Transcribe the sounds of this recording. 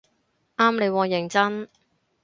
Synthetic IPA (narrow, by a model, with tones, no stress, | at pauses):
ʔaː˥mle˨˧jwɔː˨˧jɪ˨˩ŋt͡sɐ˥n